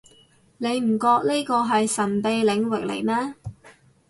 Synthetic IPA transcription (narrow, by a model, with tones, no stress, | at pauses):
ne˨˧jm̩˨˩kɔː˧k̚ni˥jkɔː˧ɦɐ˨jsɐ˨˩npe˨˧jlɪ˨˧˥ŋwɪ˨k̚lḛ˨˩jmɛː˥